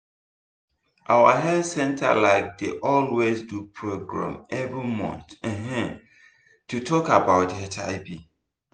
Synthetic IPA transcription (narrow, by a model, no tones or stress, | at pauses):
ʔawaɦɛlsɛ̃ntʰa̰laɪf̚deʔɔlwezdupʰɹoɡɹã̰mɛvɹimɔ̰̃nθɛ̃ɦɛ̃ | tʰutʰɔkabaʊtɛtʰa̰ɪbi